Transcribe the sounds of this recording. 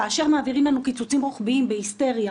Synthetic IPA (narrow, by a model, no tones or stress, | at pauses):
aːʃeʁmaːviʁimlanukit͡sut͡simʁoχbiimbehist̪e̞ʁja